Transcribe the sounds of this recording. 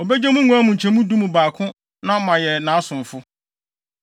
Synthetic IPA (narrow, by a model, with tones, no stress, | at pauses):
o˨bɛ˦d͡ʑɛ˦mũ˦ŋũ˨˦a˦mũ˨ɲ̩˨t͡ɕʰɛ̃˨mũ˦dũ˦mũ˨baː˨kʰʊ̃˦ | nã˦mã˨jɛ˨nã˨˦sʊ̃˨m˨fʊ˦